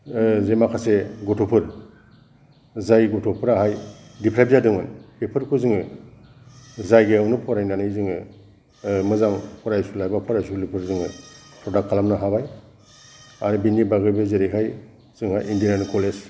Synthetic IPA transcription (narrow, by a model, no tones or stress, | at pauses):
zemakʰaseɡɔtʰopʰɯɾ | zajɡɔtʰɔpʰɯɾaɦajdipʰɾajbzadɯŋɯnlipʰɯɾkʰuzɯŋɯ | zajɡeɔnupʰɔɾajnanɯjzɯŋɯ | mɯzaŋpʰɔɾajsulajbapʰɔɾajsulipʰɯɾzɯŋɯ | pʰɾɔdak̚kʰːalamnaɦabaj | aɾɯbinibaɡɯjbɯzeɾiɦaj | z̥ɯŋa̰jindinankʰɔles